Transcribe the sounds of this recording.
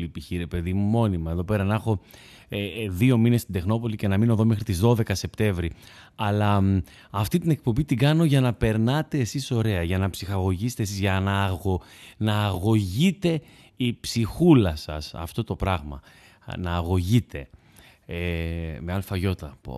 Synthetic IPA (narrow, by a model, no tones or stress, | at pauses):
ipiçiɾe̞pe̞ðimumo̞nimɐe̞ðo̞pe̞ɾɐnɐxo̞ | ðio̞mine̞st̪ind̪e̞xno̞p̬o̞lice̞nɐmino̞ðome̞xɾit̪izðo̞ðe̞kɐse̞pt̪e̞ɱvɾi | ɐlɐː | ft̪it̪ine̞k̚po̞mbit̪iɡɐno̞ʝɐnɐpe̞ɾnɐt̪e̞ːsiso̞ɾe̞ɐʝɐnɐpsixɐɣo̞ʝist̪esizʝɐnɐonɐːɣo̞ʝit̪e̞ | ipsixulɐsɐsɐ̰ft̪o̞t̪o̞pɾɐɣmɐ̰ | nɐːɣo̞ʝit̪e̞ | meɐlfɐʝo̞t̪ɐp